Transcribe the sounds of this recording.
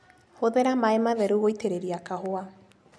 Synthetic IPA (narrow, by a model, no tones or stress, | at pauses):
hoðeɾamaemaðeɾuojtʰeɾeɾiakaɦoa